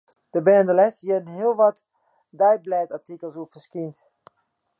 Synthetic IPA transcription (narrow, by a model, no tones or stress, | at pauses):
d̥əbɛːəndəlɛsjədənɦiəlˠʋɔt | dɛjblɛːtatikəlˠsuəfəskint